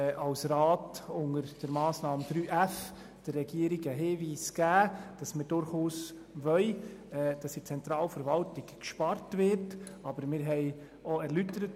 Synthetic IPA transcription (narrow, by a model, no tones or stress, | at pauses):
ʔɑwsɾɑːtʊŋəɾd̥əɾmɑːsnɑːmd̥ɾyːʔæf | d̥ərːɛɡ̥iəɾiɡəɦeːviːsɡ̥æːd̥ɑsməɾd̥ʊɾχuːs | ʋœʏɛːd̥ɑsit͡sɛntɾɑːlfəɾvɑltɪkkʃpɑrtvɪɾt | ɑbəɾmɪɾɦɛɪ | ɔɛɾlytəɾət